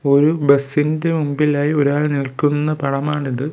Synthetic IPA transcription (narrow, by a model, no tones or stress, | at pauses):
o̞ɾubɐsːinde̞mumbilaːjio̞ɾaːɭnilkːunːɐpɐɽɐmaːɳiðɨ